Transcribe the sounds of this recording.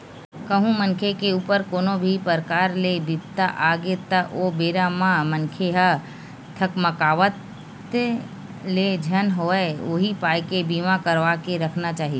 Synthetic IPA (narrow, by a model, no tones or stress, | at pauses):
kəɦũmə̃nkʰekeuːpəɾkoːnobʱipəɾkaːɾlebɪbt̪aʔaːɡet̪əʔobeːɾamãmə̃nkʰeɦə | ɐkməkaːʋət̪ | led͡ʒʱənɦoɛoɦipaːjkebiːmãkəɾʋaːkeɾɐkʰnat͡ʃaːɦie